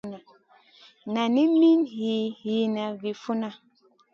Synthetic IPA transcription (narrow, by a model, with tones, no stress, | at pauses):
na˨ | na˨ni˦mi˦nhi˨˦hi˨˦na˨vi˨fu˦na˦